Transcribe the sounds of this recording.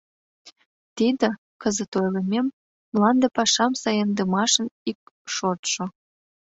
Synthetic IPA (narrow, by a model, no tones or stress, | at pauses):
t̪id̪ə̆ | kəzə̆t̪ojlə̆mʲemː | lɑnd̪əpɑʃɑmsɑjənd̪ə̆mɑʃə̆nik̚ʃot̪ʃŏ